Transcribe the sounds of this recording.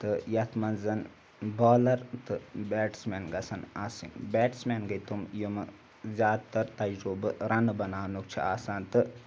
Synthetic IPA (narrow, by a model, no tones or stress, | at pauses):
t̪ɨjɐt̪ʰmɐnzɐn | baːlɐɾt̪ɨbeːʈsmeːnɡɐsɐnaːsḭŋbeːʈsmeːnɡɐjt̪umjumɨ | zʲjaːd̪t̪ɐɾt̪ɐjd͡ʒuːbɨɾɐnbɐnaːnuk̚t͡ʃʰḭaːsaːnt̪ɨ